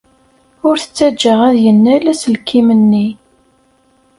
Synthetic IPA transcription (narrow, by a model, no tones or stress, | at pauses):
ʊɾθə̥t͡sːæd͡ʒːəʁæðjənːælæsəlkʰːimənːi